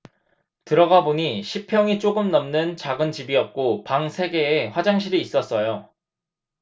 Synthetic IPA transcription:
tɯɾʌɡaboɲiɕʰipʰjʌŋit͡ɕ͈oɡɯmnʌmnɯnt͡ɕaɡɯnt͡ɕibiʌp̚k͈opaŋsʰe̞ɡe̞ːɸwad͡ʑaŋɕ̬ʰiɾiːs͈ʌs͈ʌjo

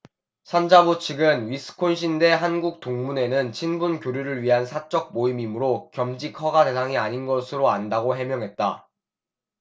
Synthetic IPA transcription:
sʰand͡ʑabot͡ɕʰiɡɯnɥisʰɯ̥kʰonɕʰinde̞ɦanɡuk̚t͈oŋmune̞nɯnt͡ɕʰinbunkjoɾjuɾɯɭɥiɦansʰat͡ɕ͈ʌk̚moimimɯɾokjʌmd͡ʑikʰʌɡatesʰaŋiaɲinɡʌsʰɯɾoandaɡoɦe̞mjʌŋɦe̞t̚t͈a̰

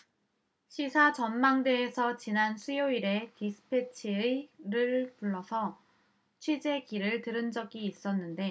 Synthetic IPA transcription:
ɕʰisʰat͡ɕʌnmaŋde̞ːsʰʌt͡ɕinansʰujoiɾe̞tisʰɯ̥pʰe̞t͡ɕʰiɾɯɭpuɭːʌsʰʌ | t͡ɕʰwed͡ʑe̞kiɾɯɭtɯɾɯnd͡ʑʌɡiːs͈ʌnːɯnde̞

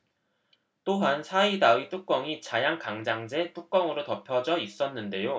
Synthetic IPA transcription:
t͈oɦansʰaidait͈uk̚k͈ʌŋit͡ɕajaŋkaŋd͡ʑaŋd͡ʑe̞t͈uk̚k͈ʌŋɯɾotʌpʰjʌd͡ʑʌis͈ʌnːɯnde̞jo

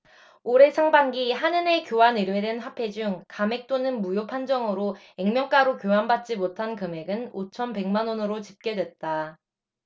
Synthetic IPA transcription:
oɾe̞sʰaŋbaŋɡiɦanɯne̞kjowanɯɾwedenɦapʰe̞d͡ʑuŋkame̞k̚t͈onɯnmujopʰand͡ʑʌŋɯɾo | eŋmjʌŋk͈aɾokjoɦanbat̚t͡ɕ͈imotʰankɯme̞ɡɯnot͡ɕʰʌnpe̞ŋmanonɯɾot͡ɕip̚k͈e̞dwe̞t̚t͈a

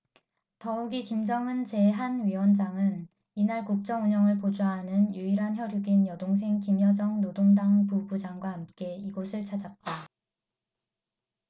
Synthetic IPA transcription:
tʌuɡikimd͡ʑʌŋɯnt͡ɕe̞ɦanɥiwʌnd͡ʑaŋɯn | inaɭkuk̚t͡ɕ͈ʌŋuɲʌŋɯɭpod͡ʑaɦanɯnjuiɾɦançjʌɾjuɡinjʌdoŋs̬ʰe̞ŋkimjʌd͡ʑʌŋnodoŋdaŋpubud͡ʑaŋɡwaɦamk͈e̞iɡosʰɯɭt͡ɕʰad͡ʑat̚t͈a

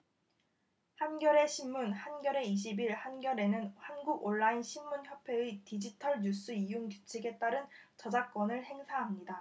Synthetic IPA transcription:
hanɡjʌɾe̞ɕʰinmunhanɡjʌɾe̞iɕ̬ʰibiɭhanɡjʌɾe̞nɯnhanɡuɡoɭːainɕʰimːunçjʌpʰe̞ɯtid͡ʑitʰʌɭɲus͈ɯijuŋkut͡ɕʰiɡe̞t͈aɾɯnt͡ɕʌd͡ʑak͈̚wʌnɯɭhe̞ŋsʰaɦamɲida

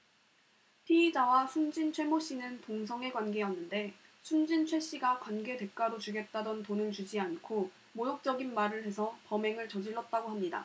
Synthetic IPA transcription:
pʰiːd͡ʑawasʰund͡ʑint͡ɕʰwe̞moɕ͈inɯntoŋsʰʌŋe̞ɡwanɡe̞ʌnːɯnde̞ | sʰumd͡ʑint͡ɕʰwe̞ɕ͈iɡakwanɡe̞de̞k͈aɾot͡ɕuɡe̞t̚t͈adʌntonɯnt͡ɕud͡ʑiankʰo | mojok̚t͡ɕ͈ʌɡinmaɾɯɭɦe̞sʰʌpʌme̞ŋɯɭt͡ɕʌd͡ʑiɭːʌt̚t͈aɡoɦamɲida̰

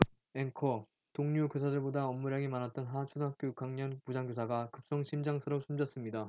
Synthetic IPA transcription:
eŋkʰʌ | toŋɲukjosʰadɯɭbodaʌmːuɾjaɡimanat̚t͈ʌnɦat͡ɕʰudɦak͈jokaŋɲʌnpud͡ʑaŋɡjosʰaɡakɯp̚s͈ʌŋɕʰimd͡ʑaŋsʰɯɾʌp̚sʰumd͡ʑʌs͈ɯmɲida

